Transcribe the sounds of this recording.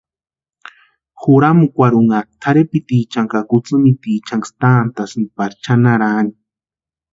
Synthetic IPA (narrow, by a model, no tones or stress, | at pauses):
xuɾamukʷaɾuŋat̪ʰaɾepit̪it͡ʃaŋkakut͡sɨmit̪iːt͡ʃaŋɡst̪aːnt̪asɨnpaɾt͡ʃʰanaɾani